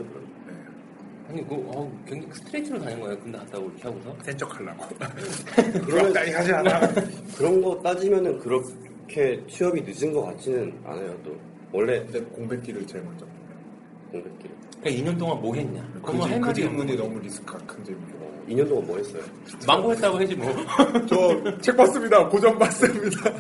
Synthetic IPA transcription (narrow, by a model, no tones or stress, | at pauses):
okɯɾʌ̰n | ne | aɲikoʌkweŋd͡ʑesʰɯ̥tʰɯɾetʰɯɾotaɲɯnɡʌajokɯndeat̚t͈aɡoiɾʌkʰeɦaɡosʰʌt͈ent͡ɕ͈ʌkʰaɭːa̰ɡo | kɯʌmʌn͈aiɦad͡ʑiaakɯɾʌnɡʌt͈ad͡ʑimjʌnɯnkɯɾʌ | kʰe̞t͡ɕʰɥiʌbinɯd͡ʑinɡʌk͈at͡ɕ͈ʰinɯna̰nejot͈o̰ | wʌɭːe̞kɯndekoŋbet͈iɾɯɭt͡ɕeɭmant͡ɕ͈ʌk̚ːajo | koŋbek̚t͈iɾɯ | kaiɲʌnt̬oŋanmoɦe̞ɲɲa̰kɯɯekɯtemuɲinʌmuɾisʰɯ̥kʰakʰɯnd͡ʑemuʌ̰iɲʌnt̬͈oŋanmwoɦe̞s͈ʌ̰jo̰ | maŋɡoɦe̞t͈̚aɡoɦed͡ʑimʌt͡ɕʌt͡ɕʰe̞k̚p͈as͈ɯmɲidakod͡ʑʌmbas͈ɯmɲida